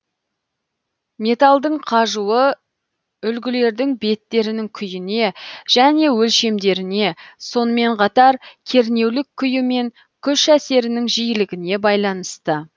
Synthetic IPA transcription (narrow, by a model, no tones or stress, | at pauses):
mʲe̞t̪ɑlˠd̪əɴqʰɑʒuə | ʏlɡʲɪle̞ɾd̪ɪŋbe̞t̪ːe̞ɾɪnɪŋkʲʰʏjɪne̞ʒ̥æne̞wɵlʃe̞md̪e̞ɾɪne̞so̞nəme̞ɴqʰɑt̪ɑɾkʲʰe̞ɾne̞wlɪkʲʰːʏjɪme̞ŋ | kʲʰʏʃæse̞ɾɪnɪŋʒijɪlɪɡʲɪne̞bɑjlˠɑn̪əst̪ə